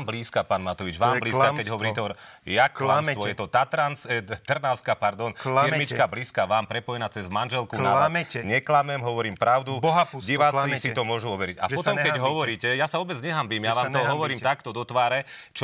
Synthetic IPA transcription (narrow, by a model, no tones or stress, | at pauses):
mbliːskapaːnmat̪ɔʋid͡ʒʋaːmbliːskakɛɟɦɔʋɔɾiːt̪ɛɔjaklamsʋɔjɛt̪ɔt̪at̪ɾanst̪r̩naʊskapaɾd̪ɔnfiɾmit͡ʃkabliːskaʋaːmpɾɛpɔjɛnaːt͡sɛzmanʒɛlkunaaɲɛklamɛmɦɔʋɔɾiːmpɾaʊd̪ubɔɦapɟiʋaːt͡sisit̪ɔmʊɔʒuɔʋɛɾiɟa̰pɔt̪ɔmkkɛɟɦɔʋɔɾiːcɛjasaɔbɛd͡zɲɛɦambiːmjaʋaːmɔɦɔʋɔɾiːmt̪akt̪ɔd̪ɔt̪ʋaːɾɛ | t͡ʃ